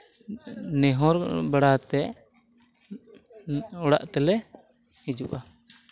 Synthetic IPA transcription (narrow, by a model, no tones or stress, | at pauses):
nɛɦɔɾbaɽat̪ɛʔ | ɔɽa̰ʔt̪ɛlɛ | hid͡ʒuʔa